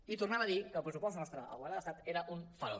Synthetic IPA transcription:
it̪urnaβəːðikəlpɾəsupɔst̪nɔst̪ɾəʔə̰ɣwalaðəsat̪eɾəʔunfəlo̰

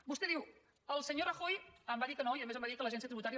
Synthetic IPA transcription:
bust̪eðiw | əlˠsəɲorəxojəmbaðikənoiəðəmezəmbaðikələʒɛnsiət̪ɾiβut̪aɾiə

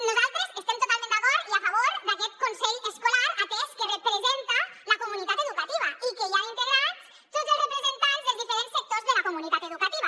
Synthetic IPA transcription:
nozalt̪ɾesest̪emt̪ot̪almẽnakoɾiafaβoɾd̪aket̪̚konseʎeskolaɾakeskerepɾesent̪alakomunit̪at̪eðukat̪iβaikejaint̪eɣɾas | t̪ozerepɾezent̪anzðezðifeɾensek̚t̪oɾzðelakomunit̪at̪eðukat̪iβa

